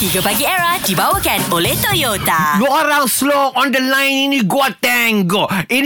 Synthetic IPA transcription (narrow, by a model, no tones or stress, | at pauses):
t̪iɡapaɡiɛɾahdibawəkanoleht̪ojot̪aduoɾãŋsloɔ̃ndəlãjniniɡoat̪ɛŋɡoin